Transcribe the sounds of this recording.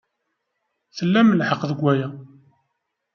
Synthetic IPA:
θəlːæməlħəqðəɡʷæjæ

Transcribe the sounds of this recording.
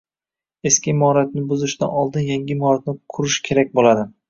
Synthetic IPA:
e̞skʲɪmɒɾat̪̚nɪbʊzɪʃd̪a̰nɒlˠd̪ɪnjaŋʲɪmɒɾat̪̚nɪqʰʊɾɪʃkʲʰe̞ɾak̚ʲbolad̪ɪ

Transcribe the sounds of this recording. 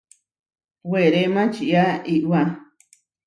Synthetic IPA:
weɾemãt͡ʃiʔaiʔwa

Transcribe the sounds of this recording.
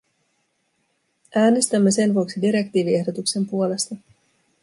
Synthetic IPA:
ʔæːne̞st̪æmːese̞nʋuoksidiɾe̞kt̪iːʋie̞hdo̞t̪ukse̞mpuo̞le̞st̪ɑ

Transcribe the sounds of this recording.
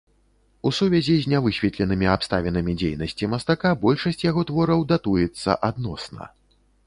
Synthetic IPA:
usuvʲɛzʲizʲnʲavɨɕʲvʲɛt̪lʲɛnɨmʲiapst̪a̰vʲɛnɐmʲid͡zʲejn̪ɐsʲt͡sʲimɐst̪akabɔlʲʂɐsʲt͡sʲjaɣɔt̪vɔɾɐwd̪at̪ujɛt̪sːɐ̰ʔad̪nɔsnɐ̰

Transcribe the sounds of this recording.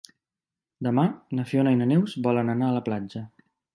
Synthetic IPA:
d̪əmanəfionəinənɛwzbɔlənənaələplad͡ʒə

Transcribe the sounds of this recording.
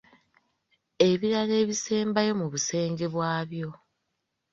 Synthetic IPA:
e̞βiɾale̞ːβise̞ːmbajo̞muβuse̞ːŋɡe̞βwaːβjo̞

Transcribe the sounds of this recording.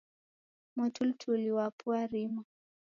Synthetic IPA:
mɔtʰultʰuliwapuaɾima

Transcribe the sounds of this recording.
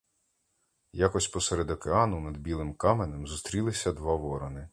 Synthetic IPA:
jakɔsʲpɔseɾed̪ɔkeɑnʊnɐd̪bʲilˠɪmkɑmenemzust̪ɾʲilˠɪsʲɐd̪ʋɑʋɔɾɔnɪ

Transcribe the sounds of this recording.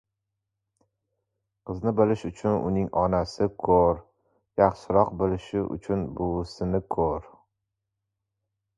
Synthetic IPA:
qʰɨznɪbɪlɪʃʊt͡ʃʰʊnʊ̰nɪŋɒnasɪkʰoɾ | jaχʃɪɾɒqbɪlɪʃɪʔʊ̰t͡ʃʰʊnbʊsɪnɪkʰoɾ

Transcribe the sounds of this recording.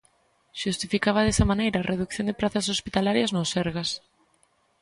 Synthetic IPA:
ʃust̪ifikaβɐðesɐmanejɾɐːrʔeðukθjond̪epɾaθɐsospit̪alaɾjɐznosɛɾɣɐs

